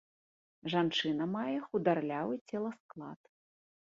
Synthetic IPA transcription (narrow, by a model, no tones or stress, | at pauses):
ʐant͡ʂɨnɐmajɛxud̪arlʲavɨt͡sʲɛlˠɐsklˠa̰t̪